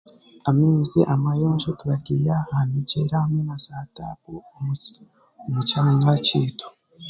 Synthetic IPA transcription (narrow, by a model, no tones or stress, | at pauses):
amiːziʔamajoːnʃotuɾaɡiːjahanid͡ʒeɾahamŋenazaːtakumu | mut͡ʃaɲat͡ʃiːtʰo̥